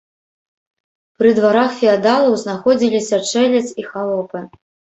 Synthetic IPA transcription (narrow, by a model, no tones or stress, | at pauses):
pɾɨd̪vaɾaxfʲiad̪alˠɐwznaxɔd͡zʲilʲisʲɐt͡ʂɛlʲɐt̪sixalˠɔpɨ